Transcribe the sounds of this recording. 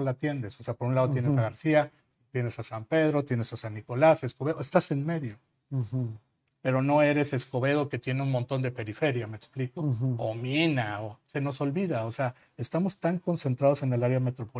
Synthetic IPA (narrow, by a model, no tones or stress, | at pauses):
lat̪je̞nd̪e̞sose̞apoɾunlaðot̪je̞nesaɣaɾsia | t̪je̞ne̞sasampe̞ð̞ɾo̞t̪je̞ne̞sasanːiko̞laseskoβeðoest̪ase̞nme̞ðjo̞ | pe̞ɾo̞no̞e̞ɾe̞se̞sko̞βe̞ðo̞ke̞t̪je̞neunmont̪o̞nd̪e̞pe̞ɾife̞ɾjame̞ksplikoominaose̞no̞so̞lβiðaose̞a | est̪amo̞st̪aŋko̞nse̞nt̪ɾaðo̞se̞nelaɾjame̞t̪ɾopo